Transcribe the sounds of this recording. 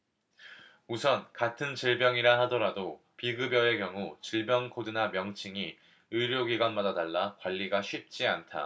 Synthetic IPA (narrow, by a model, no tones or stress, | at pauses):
usʰʌnkatʰɯnt͡ɕiɭbjʌŋiɾaɦadʌɾado | piɡɯbjʌe̞kjʌŋut͡ɕiɭbjʌŋkʰodɯnamjʌŋt͡ɕʰiŋi | ɯɾjoɡiɡwanmadadaɭːakwaʎːiɡaɕʰɥip̚t͡ɕ͈iantʰa̰